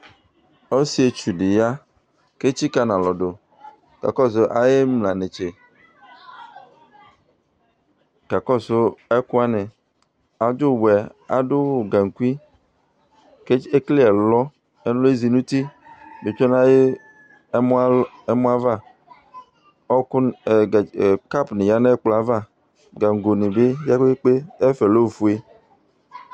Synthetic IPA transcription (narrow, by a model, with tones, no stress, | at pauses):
o˦si˦e˨t͡ʃu˨ɖi˨ja˦ | ke˦t͡ʃi˦ka˦nã˨lɔ˨ɖo˨ | ka̰˨kɔ˦s̬o˦ʔa˨je˦mlã˨ne˨t͡ʃe˨ | ka˨kɔ˦sʊ˦ɛ˦ku˦a˦nẽ˨ | a˨d͡ʒʊ˦˨bɛ˨a̰˨dʊ˦wo˨ɡa˨ŋ̩˨ku˦i˦ | ke˦e˦kli˦ɛ˨lɔ˦ | e˦n˦o˦e˦zi˨nũ˦t̪i˦do˨t͡ʃɔ˦nã˦je˦ | e˦mũ˦a˦va˦˨ | ɔ˦kʊ˦˨ | ka˦pnɪ̃˨ja˦nɛ˦k͡pla˦va˦˨ | ɡa˨ŋ˨ɡo˨nĩ˨be˦ja˦k͡pe˦k͡pe˦ɛ˦fe˨lo˦˨fu˨˦e˦